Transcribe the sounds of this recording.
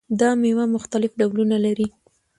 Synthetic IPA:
d̪ɑmewamʊxt̪alɪfɖawlunalaɾi

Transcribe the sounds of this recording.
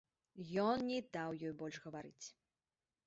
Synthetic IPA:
jɔnnʲɛd̪awjɔjbɔlʲʂɣɐvaɾɨt͡sʲ

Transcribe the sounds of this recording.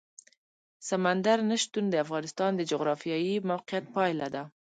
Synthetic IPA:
samand̪aɾnaʃt̪und̪əafɣɑnɪst̪ɑnd̪əd͡ʒʊɣɾɑfijɑjimawqijat̪̚pɑjlad̪a

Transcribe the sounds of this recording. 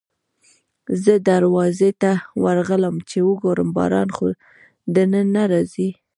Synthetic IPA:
zəd̪aɾwɑzet̪awaɾɣələmt͡ʃewəɡoɾəmbɑ̰ɾɑ̰nxo | d̪ənənːaɾɑzi

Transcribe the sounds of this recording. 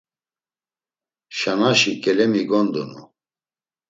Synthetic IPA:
ʃanaʃikʼɛlɛmiɡɔnd̪unṵ

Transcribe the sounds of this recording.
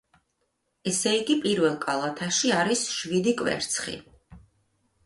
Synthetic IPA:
ɛsɛiɡipʼiɾvɛlˠkʼalˠat̪ʰaʃiaɾisʃvid̪ikʼvɛ̰ɾt̪sʰχḭ

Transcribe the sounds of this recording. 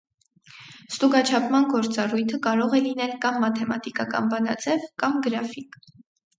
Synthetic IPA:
st̪uɡɑt͡ʃʰɑpʰmɑnɡɔɾt͡sɑrujt̪ʰəkɑɾɔʁɛlinɛlkɑmːɑt̪ʰɛmɑt̪ikɑkɑ̰nbɑnɑ̰d͡zɛvkɑmɡəɾɑfik

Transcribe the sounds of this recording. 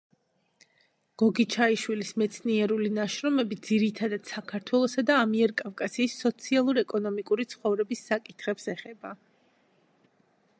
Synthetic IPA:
ɡ̥ɔɡit͡ʃʰaiʃwilismɛt̪sʰniɛɾulinaʃɾɔmɛbid̪ziɾit̪ʰad̪ad̪̥sakʰaɾt̪ʰwɛlˠɔsad̪aːmiɛɾkʼafkʼasiːsːɔt̪sʰialˠuɾɛkʼɔnɔmikʼuɾit̪sʰχɔvɾɛbisːakʼit̪ʰχɛpsɛχɛba

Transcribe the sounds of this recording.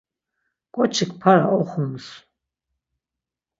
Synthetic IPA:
kʼɔt͡ʃʰikʰpʰaɾaʔɔχums

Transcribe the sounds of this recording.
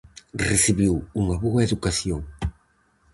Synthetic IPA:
resiβiwuŋaβɔɐeðukasioŋ

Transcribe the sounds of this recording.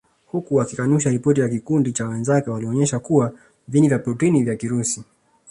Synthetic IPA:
hukuwakikanuʃaɾipɔtijakikundit͡ʃawɛnzakɛwaliɔɲɛʃakuwa | vinivjapɾutinivjakiɾusi

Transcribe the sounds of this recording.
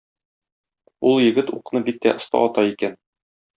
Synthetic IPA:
ulˠjɘ̆ɡɘt̪uqnɤbikt̪ːæʔŏst̪ɑ̰ʔɒt̪ɑikæn

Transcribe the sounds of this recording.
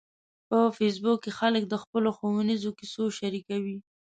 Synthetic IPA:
pəfes̬bʊkkːexalək̚d̪əxpəloxowunizokisoʃaɾikawi

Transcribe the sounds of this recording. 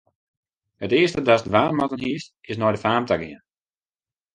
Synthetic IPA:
hətɪəstədasdʋaːmɔtənɦisɪsnɔjdəfaːmtaɡɪən

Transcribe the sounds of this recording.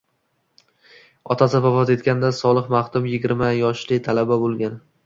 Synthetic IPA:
ɒt̪ʰasɪvavɒze̞t̪kʲand̪asɒlˠɨqmaχt̪ʊmjɪɡʲɪɾmajɒʃlɪt̪ʰalababolˠɡʲan

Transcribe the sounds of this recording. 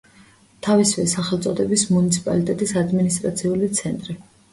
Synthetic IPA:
t̪ʰavisvɛsaχɛlt̪sʼɔd̪ɛbismunit̪sʰi̥pʼa̰lit̪ʼɛt̪ʼisad̪minist̪ʼɾa̰t̪sʰiulit̪sʰɛnt̪ʼɾi

